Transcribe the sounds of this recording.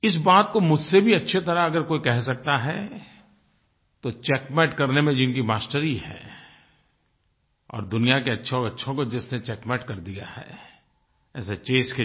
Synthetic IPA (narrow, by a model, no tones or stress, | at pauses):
ɪs̬baːt̪komʊd͡ʒʱsebʱiɐtːʃʰet̪ɐɾaɐɡəɾkoːikɛɦsɐk̚t̪aɦɛ | t̪ot͡ʃɛːkmɛːʈkɐɾnemẽd͡ʒɪnkimaːsʈəɾiɦɛ̰̃ː | ɔ̰ːɾd̪ʊnijakeɐtːʃʰeɔːɾɐtːʃʰõkod͡ʒɪsnet͡ʃɛːkmɛːʈkɐɾd̪ija̰hɛ̰ː | ɛːset͡ʃeːske